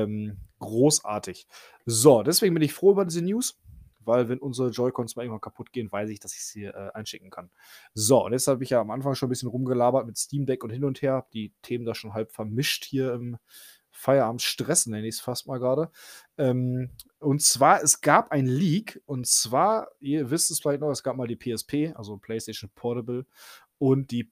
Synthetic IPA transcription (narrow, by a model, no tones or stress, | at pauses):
ɛmɡ̥ʁoːsʔa̰ːɐtʰɪç | zodɛsv̥eːɡŋ̩bɪnɪçfʁ̥oːʔyːbɐdiːzənjuːs | vaɪlvɛnʔʊnzəʁəd͡ʒɔʏkʰɔnsmalɪŋ̩vankʰapʰʊt̚ɡ̥eːənvaɪsɪçd̥asɪ̥çshiːɐʔɛːʔa̰ɪnʃɪk̚ŋ̩kʰan | zoʊ̰ntjɛt͡sthaːbəɪçjaːamʔanfaŋʃoːnbɪsçənʁʊmɡəlaːbɐtmɪtstiːmdɛkʊnthɪnʊntheːɐhap̚d̥iːtʰeːməndaːʃoːnɦalpfɛɐmɪʃthiːɐɪm | faɪɐʔaːmtʃtʁ̥ɛsn̩nɛnəɪçsfast̚maːlɡʁaːɾəʔɛːm | ʔʊntt͡sv̥aːɐɛsɡ̥aːpʔaɪnliːkʔʊntt͡sv̥aːɐʔiːɐvɪstduːsfɪlaɪçtnɔχɛsɡ̥aːp̚maːldiːpʰeːɛspʰeːʔa̰lzopʰl̥ɛɪstɛɪʃn̩pʰɔɐɾəbl̩ | ʔʊnt̚d̥iː